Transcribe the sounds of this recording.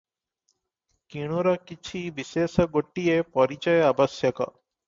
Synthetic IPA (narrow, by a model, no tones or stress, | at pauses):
kiɽ̃uɾɐkit͡ʃʰibiseːsɐɡoʈːijepɔɾit͡ʃɐjɐbɐsjɐkɐ̰